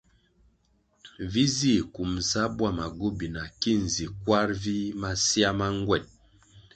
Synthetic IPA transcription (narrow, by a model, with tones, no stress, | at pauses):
vi˦zi˦˨ku˨m̩˨sa˦bwa˦˨ma˨ɡo˦bi˨na˨ki˦n˨zi˨kwa˦ɾvi˦ma˦si˦a˦ma˦ŋ˦ɡwɛ˦˨t̚